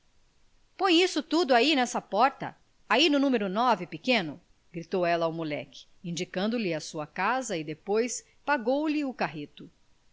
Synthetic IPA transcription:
põj̃isʊt̪ud̪ʊainɛsɐpɔɾt̪ɐ̰ | ainʊnũmeɾʊnɔvɪpikẽnʊ | ɡ̥ɾit̪owɛlɐːwmulɛ̰kɪ̥ | ĩnd͡ʒikɐ̃nd̪ʊlɪɐsuɐkazɐɪd̪epojs | paɡowlɪʊkaɦit̪ʊ

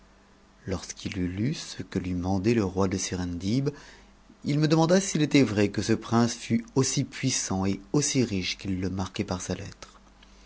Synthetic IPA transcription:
lɔʁskʰilylysəkəlɥimɑ̃d̪ɛləʁwad̪əsiʁɛ̃nd̪ib | ilməd̪əmɑ̃d̪asilet̪ɛvʁɛkəsəpχɛ̃sfyosipɥisɑ̃eosiʁiʃkʲilːəmaʁkʲɛpaʁsalɛ̰t̪χ

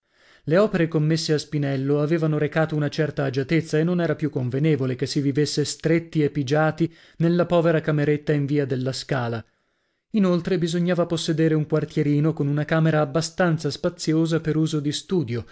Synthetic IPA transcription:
leɔːpeɾekomːesːeaspinɛlːoaveːvanoɾekaːt̪ounat͡ʃɛrt̪aːd͡ʒat̪et̪sːaenːonɛːɾapjukːoɱveneːvolekesːivivesːest̪ɾet̪ːiepːid͡ʒaːt̪i | nelːapɔːveɾakameɾet̪ːaiɱviːad̪elːaskaːla | inolt̪ɾebizoɲːaːvaposːed̪eːɾeuŋkwart̪jeɾiːnokonunakaːmeɾaːbːast̪ant̪saspat̪sːjoːzapeɾuːzod̪ist̪uːd̪jo

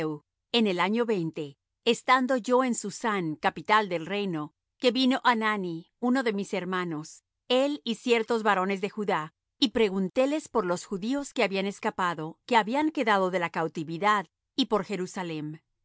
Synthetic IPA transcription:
w | ene̞laɲo̞βe̞jnt̪e̞ː | st̪and̪o̞ʝo̞ensusaŋkapit̪ald̪e̞lre̞jno̞ | ke̞βino̞ʔanani | uno̞ðe̞mise̞ɾmano̞s | elisje̞ɾt̪o̞zβaɾo̞ne̞zðe̞xuða | ipɾe̞ɣunt̪e̞le̞spo̞ɾlo̞sxuðio̞skeaβiane̞skapaðo̞ke̞aβiaŋke̞ðaðo̞ðe̞lakawt̪iβiðað | ipo̞ɾxe̞ɾusalem

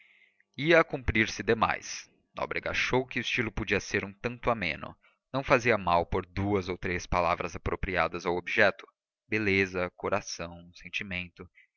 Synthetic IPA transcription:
iɐːkũpɾiɾsɪd̪ema̰js | nɔ̰bɾeɡa̰ʃowkɪʊɪst͡ʃilʊpod͡ʒiɐseɾũt̪ɐ̃nt̪ʊamḛ̃nʊ̰ | nɐ̃w̃faziɐmawpoɾd̪uɐzowt̪ɾespalavɾɐzapɾopɾiad̪ɐzawobiʒɛt̪ʊ̥ | belezɐkoɾasɐ̃w̃sẽnt͡ʃimẽnt̪ʊ

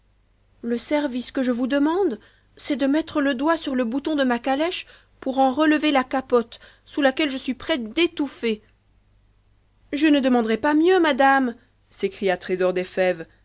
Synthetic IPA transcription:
ləsɛʁviskəʒəvud̪əmɑ̃d̪ | sɛd̪əmɛt̪χələd̪wasyʁləbut̪ɔ̃d̪əmakalɛʃ | puʁɑ̃ʁələvelakapɔt̪ | sulakʲɛlʒəsɥipχɛt̪d̪et̪ufe | ʒənəd̪əmɑ̃d̪ʁɛpamjømad̪am | sekχijat̪χezɔʁd̪efɛv

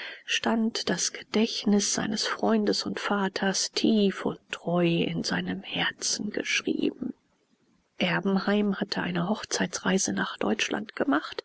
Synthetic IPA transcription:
ʃtantd̥asɡ̥əd̥ɛçnɪsz̥a̰ɪnəsfʁ̥ɔʏndəsʊntfaːtʰɐstʰiːfʊ̰ntʁ̥ɔʏɪ̰nzaɪnəmhɛɐt͡sn̩ɡ̥ə̰ʃʁ̥ḭːbm̩ | ʔɛɐbm̩haɪmhatʰəʔa̰ɪnəɦɔχt͡saɪt͡sʁaɪzənaːχd̥ɔ̰ʏt͡ʃlʔa̰ntɡ̥əmaχt

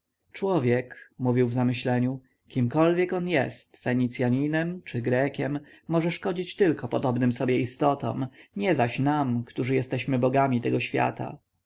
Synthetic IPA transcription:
t͡ʂwɔvʲjɛkmuvʲiwvzamɘɕlɛɲu | kʲimkɔlvʲjɛkɔnjɛ̰st̪fɛɲit̪sʲjaɲinɛmt͡ʂɘɡɾɛkʲɛmː | ɔʐɛʂkɔd͡ʑit͡ɕt̪ɘlkɔpɔd̪ɔbnɘmsɔbʲjɛist̪ɔt̪ɔ̰̃mɲɛzaɕnamkt̪uʐɘjɛst̪ɛɕmɘbɔɡamʲit̪ɛɡɔɕfʲja̰t̪a̰

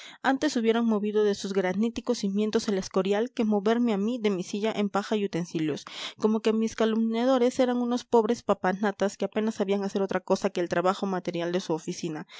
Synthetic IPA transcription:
ant̪e̞suβje̞ɾoŋmo̞βiðo̞ðe̞suzɣɾanit̪iko̞simje̞nt̪o̞senlesko̞ɾjalke̞mo̞βe̞ɾmeamiðe̞misiʝaʔempaxajut̪e̞nsiljo̞sko̞mo̞ke̞miskalumnjað̞o̞ɾe̞se̞ɾaŋuno̞spo̞βɾe̞spapanat̪aske̞ape̞nasːaβiaŋase̞ɾo̞t̪ɾako̞sake̞ːlt̪ɾaβaxo̞mat̪e̞ɾjald̪e̞suofisina

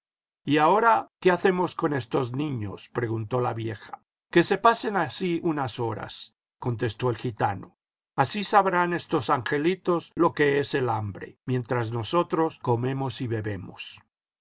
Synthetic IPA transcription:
iao̞ɾake̞aθe̞mo̞sko̞ne̞st̪o̞znĩɲo̞̰spɾe̞ɣunt̪o̞laβje̞xḁ | ke̞se̞pase̞nasiunaso̞ɾa̰s | ko̞nt̪e̞st̪o̞elxit̪ano | asisaβɾane̞st̪o̞saŋxe̞lit̪o̞slo̞ke̞e̞se̞lambɾe̞̰mjẽ̞nt̪ɾazno̞so̞t̪ɾo̞sko̞me̞mo̞siβe̞βe̞mos

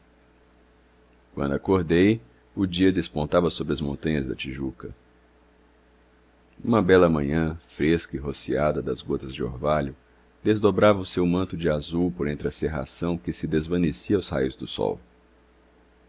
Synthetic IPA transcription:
kwɐ̃d̪ʊakoɾd̪ej | ʊd͡ʒiɐd̪espõnt̪avɐsobɾɪɐzmõnt̪ɐ̃ɲɐzd̪ɐ̰t͡ʃiʒukɐ | ũmɐbɛlɐmɐ̃ɲɐ̃fɾeskɐɪɦosiad̪ɐd̪ɐzɡot̪ɐzd͡ʒɪo̰ɾvaʎʊ | d̪ezd̪obɾavɐʊsewmɐ̃nt̪ʊd͡ʒɪazuwpoɾẽnt̪ɾɪɐseɦa̰sɐ̃w̃kɪsɪd̪ezvɐ̃nesiɐawsha̰jʊzd̪ʊsɔ̰w

